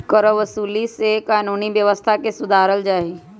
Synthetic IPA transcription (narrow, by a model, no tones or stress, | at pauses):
kəɾəʋəsuːlisekaːnuːniʋjəʋəst̪ʰakesʊd̪ʱaːɾəld͡ʒaːɦi